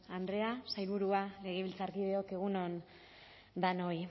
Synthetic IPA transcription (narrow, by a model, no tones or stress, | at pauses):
and̪ɾe̞asajβuɾuale̞ɣ̞e̞βilt͡saɾkiðe̞o̞ke̞ɣ̞uno̞n | d̪anoj